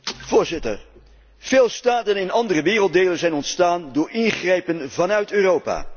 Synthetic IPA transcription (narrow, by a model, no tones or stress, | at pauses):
v̥ʊːɹzɪtə̰ɹ | v̥eːlˠstaːtənɪnɑndərəʋɪːrəlˠt̚dejlənzɛjnɔntstaːndʊːɹɪnχrɛjpənvɑnœɥtøːrowpa̰ː